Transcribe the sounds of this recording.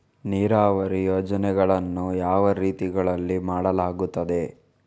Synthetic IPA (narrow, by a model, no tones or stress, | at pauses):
niːɾaːʋɐɾijoːd͡ʒɐnɛɡɐɭɐnːujaːʋɐɾiːt̪iɡɐɭɐlːimaːɽɐlaːɡut̪ːɐd̪e̞